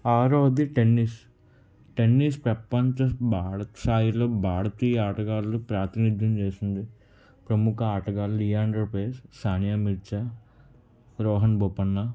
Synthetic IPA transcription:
aːɾoːd̪iʈenːis | ʈenːispɾɐpːɐɲt͡ʃɐbaːsaːjiloːbaːɽɐt̪iːjɐaːʈɐɡaːllupɾaːt̪inid̪ʱjɐmt͡ʃeːsind̪i | pɾɐmukɐaːʈɐɡaːlɾijaːnɖɾɐpeːssaːnjaːmiɾt͡ʃa | ɾɔːɦɐnboːpɐnːa

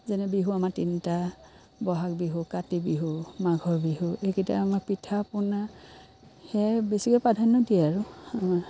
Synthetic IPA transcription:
zɛnɛbiɦuamatinta | bɔɦak̚biɦukatibiɦumaɡʱɔɹbiɦuekita̰ːmaɹpitʰapʊna | hɛbesikɔjpadʱanːɔdiɛaɹʊamaɹ

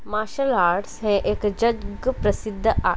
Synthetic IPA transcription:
maːʃəlaːɾɖsɦɛ̃ʔeːkd͡ʒəd͡ʒɡpɾɐsɪd̪ʱːʔa

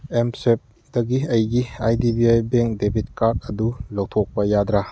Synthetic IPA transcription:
emsep̚ | dɐɡiɐjɡiajdibiajbeŋk̚debʱitkat̚ɐdulok̚tʰok̚pɐjadɾa

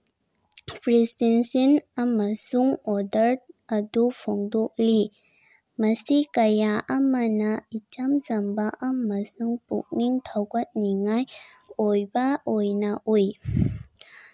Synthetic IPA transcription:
pʰɾisdɛnsinamasuŋɔdəɾt̚ʔadupʰɔŋdoʔ̚li | masikajaʔamanait͡ʃamsambaʔamasuŋpṵk̚niŋt̪ʰawkat̪̚niŋaj | ojbaʔojnaʔuj

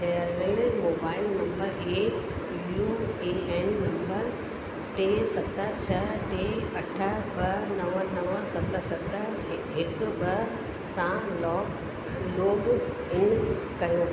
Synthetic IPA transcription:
eɐləlmoːbaːɪlnɐ̃mbəɾeː | juːeːɛnːɐ̃mbəɾ | ʈeːsɐt̪ət͡ɕʰɐʈeːɐʈʰəbɐnɐʋənɐʋəsɐt̪əsɐt̪ə | ɦɪkbɐ | sãːmlɔːk | loːb | ɪn | kɐjoː

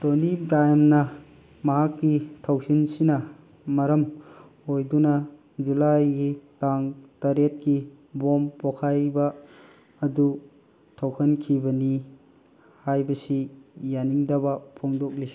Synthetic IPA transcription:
tonibɾajmnɐ | mɐɦakːitʰawsinsinɐ | mɐɾɐm | ojdunɐ | d͡ʒulajɡitaŋtɐɾet̚ki | bompokʰajbɐː | du | tʰowkʰɐnkʰibɐni | hajbɐsijaniŋdɐbɐpʰoŋdok̚li

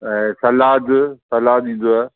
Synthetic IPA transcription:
ɛ̃ːsɐlaːd̪sɐlaːɗĩːn̆d̪oae

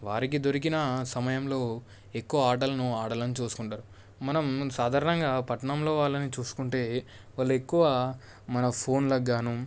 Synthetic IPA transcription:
ʋaːɾik̬id̪o̞ɾik̬inɐsɐmɐjɐmlo̞ː | e̞kːuʋɐaːʈɐlɐnuaːɽɐlɐnit͡ʃuːsu̥kuɳʈaːɾu | mɐnɐmsaːd̪ʱaːɾɐɳɐŋɡaːpɐʈɐɳɐmlo̞ːʋaːɭːɐnit͡ʃuːsu̥kuɳʈe̞ː | ʋaːɭːuekːuʋɐ | mɐnɐpʰo̞ːnlɐɡːaːnu

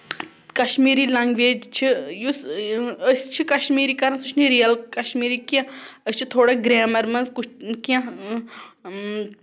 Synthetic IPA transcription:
kɐʃmiːɾiːlɐŋɡʋeːd͡ʒt͡ʃʰijusəst͡ʃʰikɐʃmiːɾikɐɾɐnsut͡ʃʰniɾijɐlkɐʃmiːɾikãəsʲt͡ʃʰit̪ʰoːɽaɡɾeːmɐɾmɐnzkut͡ʃkjã

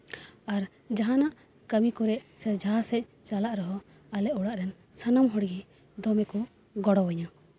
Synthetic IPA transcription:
aɾ | d͡ʒaɦanaʔ | kəmikɔɾɛʔsɛɾd͡ʒʱasɛc̚ˀt͡ʃalaʔɾɔɦɔ | alɛʔuɽaʔɾɛn | sanamɦɔɽɡi | d̪ɔmɛkɔ | ɡɔɽɔwɔɲɔ

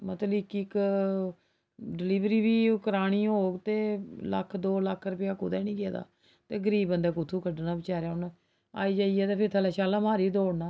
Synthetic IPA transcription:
mət̪ləɪkɪk | ɖɪliːʋɾiːbiːkəɾaːɽ̃iːɦoːɡt̪eːlə̰kʰd̪oːləkʰɾəpɪjaːkʊd̪ɛːnĩːkjeːd̪a̰ː | t̪eːɡəɾiːbənd̪ɛːkʊt̪ʰːuːkʰəɖnaːbɪt͡ʃaːɾejaːʊn | a̰ːiːd͡ʒaːiɛːt̪eːpʰɪɾt̪ʰəlɛːʃaːlãːmaːɾiːd̪oːɽnaː

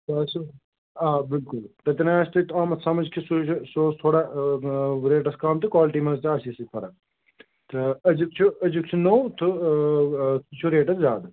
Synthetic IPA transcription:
t̪ɐɐsu | aːbɪlkʊlt̪ɐt̪inaaːst̪ɨt̪aːmɐsɐmɐd͡ʒkʰisut͡ʃʰusoːst̪ʰoːɽa | ɾeːʈɐskaːmt̪ɨkwaːlʈimɐzt̪iaːsisit̪ʰɐɾa | t̪ɐɐd͡ʒukt͡ʃʰuɐd͡ʒuk̚t͡ʃʰunowt̪u | t͡ʃʰuɾeːʈɐszaːd̪ɨ

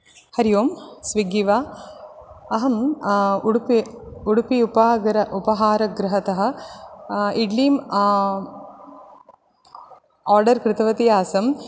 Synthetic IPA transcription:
hɐɾijoːmsʋiɡiʋaː | ɐɦɐm | ɽpiuɽupiupaːɡɾɐʔupɐɦaːɾɐɡɾɪɦɐt̪ɐɦɐ̆ | iɖliːm | aːɾɖɐɾkɾɪt̪ɐʋɐt̪ijaːsɐm

